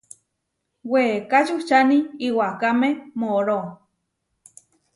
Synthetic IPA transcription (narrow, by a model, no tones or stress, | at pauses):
wekat͡ʃut͡ʃaniiwakamemoɾo